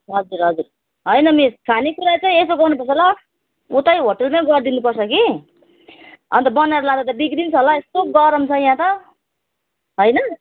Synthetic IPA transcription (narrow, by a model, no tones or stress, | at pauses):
ɦʌd͡zuɾɦʌd͡zuɾ | ɦʌjnʌmeskʰanikuɾat͡sʌ̃ĩesoɡʌrnupʌsʰʌla | ut̪ajɦoʈʌlmaɡʌrd̪inupʌrsʰʌki | ʌ̰nt̪ʌbʌnaɾlãt̪at̪ʌbikɾinsʰɦʌlaest̪oɡʌɾʌmt͡sʰʌjãt̪ʌ | ɦojnʌ